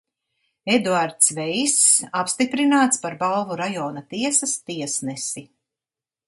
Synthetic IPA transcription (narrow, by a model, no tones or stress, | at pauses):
ed̪uaɾt̪svɛjsapst̪ipɾinaːt̪spaɾbalˠvuɾajɔːnat̪iɛsɐst̪iɛsnɛsi